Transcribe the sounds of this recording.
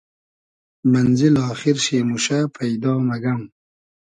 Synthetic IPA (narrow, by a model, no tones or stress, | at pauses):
manzɪlɑːxɪɾʃeːmuʃapʰajd̪ɑːmaɡam